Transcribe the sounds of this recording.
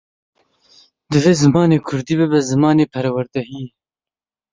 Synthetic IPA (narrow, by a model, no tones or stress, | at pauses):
d̪ɨveːzɨmɑːneːkʰʊɾd̪ibebazɨmɑːneːpʰɐɾawɐɾd̪ɐɦĩː